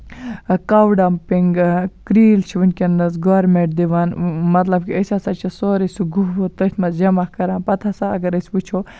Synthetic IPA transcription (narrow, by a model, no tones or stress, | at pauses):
kawɖampiŋɡkɾiːlt͡ʃʰiʋinkenːɐs̬ɡoːɾmeɳʈ̚d̪iʋaːnmɐt̪lɐb̚kiɐsʲasat͡ʃʰisoːɾisuɡuɦot̪ɐt̪ʲʰmɐd͡ʒɐmakɐɾãːnpɐt̪ʰasaɐɡɐɾɐsʲput͡ʃʰoː